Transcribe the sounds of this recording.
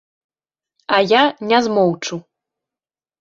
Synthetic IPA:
ɐjanʲɛzmɔwt͡ʂu

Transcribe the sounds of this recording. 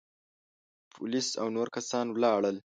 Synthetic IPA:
pʰʊlisa̰wnoɾkasɑnwlɑɽəl

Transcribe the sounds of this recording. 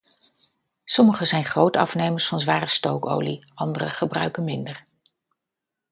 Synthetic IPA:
sɔməχəzɛjnχrowtɑ̰fnejməɹsfɑnzʋaːrəstowko̰wliʔɑndərəχəbrœɥkənmɪndəɹ

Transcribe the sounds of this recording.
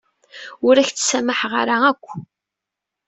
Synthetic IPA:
ʊɾæçt͡sːsæməħʁə̰ɾaækʷː

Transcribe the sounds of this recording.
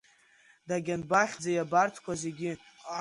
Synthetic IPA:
daɡʲanbaχʲd͡zajabartʰkʷʰaze̞ɡʲɪ

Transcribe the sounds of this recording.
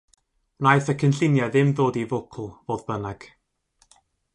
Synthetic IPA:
najθəkʰənɬɪnjaðɪmðoːdivʊkʰl̩ˠvoːðbənaɡ̥

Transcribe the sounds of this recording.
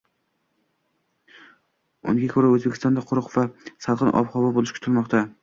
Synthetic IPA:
ʊ̰nɪɡʲakʰɵɾaɵzbekʲɪ̥st̪ɒnd̪aqʰʊɾʊqvasɑlˠqɨnʔɒ̰pχɒbabolɪʃkʲʰʊt̪ʰɪlmɒqt̪ʰa

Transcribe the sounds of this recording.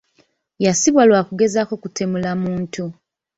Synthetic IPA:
jasiβwalwaːkuɡe̞zako̞kute̞mulamuːntʰu

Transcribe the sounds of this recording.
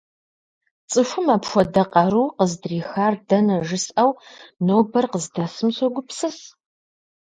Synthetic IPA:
t͡sʼɨfʷʊmaːpxʷɔdɐqʼɐɾuːqəzdriːxaːrdɐnɐʒɨsʔɐwnoːbɐrqəzdɐsɨmsʷɔɡʷʊpsɨs

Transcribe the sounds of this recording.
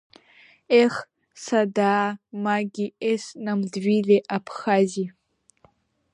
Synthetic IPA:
eχ | sadaːmaɡʲiesnamdɥileʔapʰχazi

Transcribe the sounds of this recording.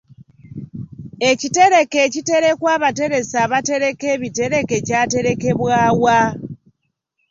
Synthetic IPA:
e̞cite̞ɾe̞keːcite̞ɾe̞kwaːβate̞ɾe̞saːβate̞ɾe̞keβite̞ɾe̞ke̞caːte̞ɾe̞ke̞βwaːwa

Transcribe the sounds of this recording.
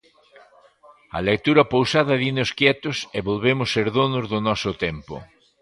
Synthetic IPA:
ɐ̰lek̚t̪uɾɐpowsaðɐðinoskjɛt̪ʊseβolβemʊsːeɾðonʊzðʊnɔsʊt̪ɛmpʊ̰

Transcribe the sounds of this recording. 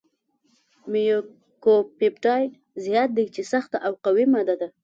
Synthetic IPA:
mijo | kopepʈɑj | zijɑt̪̚d̪ejt͡ʃesaxt̪aʔawqawimɑd̪ad̪a

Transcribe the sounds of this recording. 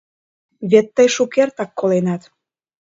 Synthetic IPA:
βet̪ːəjʃukert̪ɑkːolenɑt̪

